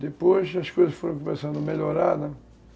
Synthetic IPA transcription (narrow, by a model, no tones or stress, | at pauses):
d̪epojʃɐʃkojzɐʃfoɾɐ̃komesɐ̃nd̪ʊmeʎoɾad̪ɐ